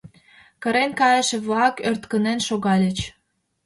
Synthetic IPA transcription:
kə̆ɾenkɑjəʃĕβlɑkørt̪kənenʃoɣɑlʲət͡ɕ

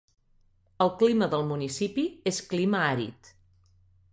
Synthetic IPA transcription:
əlˠkliməðəlˠmunisipieskliməaɾḭt̪

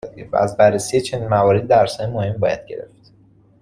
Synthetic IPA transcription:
d̪evæ̰æzbærːesijet͡ʃʰe̞niːnmævɒːɾed̪id̪æɾsɒːjemohembɒːjæ̰d̪̥̚ɟe̞ɾe̞̰ft̪

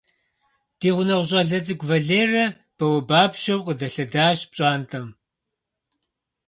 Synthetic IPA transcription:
d̥iːʁʷʊnɐʁʷʊɕʼɐɮɐt͡sɨɡʷvɐɮeːrɐ | b̥ɐwɐbaːpʃɐwqʼədɐɬɐdaːʒpɕʼɑːntʰʼɐm

